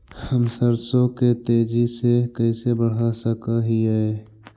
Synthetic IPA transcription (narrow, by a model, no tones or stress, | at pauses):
həmsəɾsõket̪eːd͡ʒisekəisebəɽ̤ɦasəkaɦiɛ